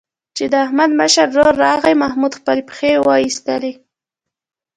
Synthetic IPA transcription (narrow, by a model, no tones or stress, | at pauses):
t͡ʃed̪əahmad̪məʃaɾːoɾːɑɣəjmahmud̪xpəlepxewɑjist̪əle